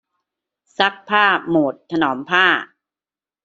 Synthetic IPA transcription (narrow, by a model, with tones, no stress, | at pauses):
sa˦˥k̚pʰaː˥˩moː˨˩t̪̚t̪ʰːa˧nɔː˩˦mpʰaː˥˩